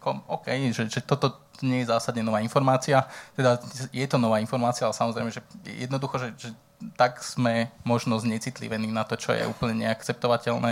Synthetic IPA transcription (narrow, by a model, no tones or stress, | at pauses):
kɔɔːkɛjʒɛʒɛt̪ɔt̪ɔɲɛjɛzaːsad̪ɲɛnɔʋaːinfɔɾmaːt͡siat̪ɛd̪ajɛt̪ɔnɔʋaːinfɔɾmaːt͡sialɛsamɔzɾɛɪmɛʒɛj̰jɛd̪nɔd̪uxɔʒɛʒɛ | t̪aɡz̥mɛmɔʒnɔzɲɛt͡siːt̪lḭʋɛniːnat̪ɔt͡ʃɔ̰jɛ̰ṵːpl̩ɲɛɲɛakt͡sɛp̚t̪ɔʋacɛlnɛː